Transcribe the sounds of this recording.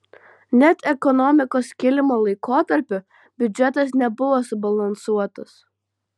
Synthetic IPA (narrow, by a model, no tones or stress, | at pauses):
nʲɛt̪ɛkɔnɔmʲɪkoːskʲɪlʲɪmoːlˠɐɪkoːt̪ɐɾʲpʲʊ | bʲʊd͡ʒʲɛt̪ɐs̬nʲɛbʊʋoːsʊbɐlˠɐnsuɔt̪ɐs